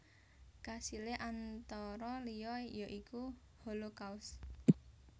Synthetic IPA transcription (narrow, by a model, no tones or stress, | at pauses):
kasileʔant̪ɔɾɔlijɔjɔʔiku | holokaws